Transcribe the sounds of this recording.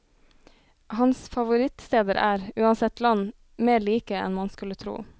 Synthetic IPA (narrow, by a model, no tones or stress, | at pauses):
hɑnsfɑʋʊɾɪt̪st̪eːd̪əɾʔæːɾʉːɑnsɛt̪lɑn | meːɭiːkəɛ̰nmɑnskʉlət̪ʰɾṵː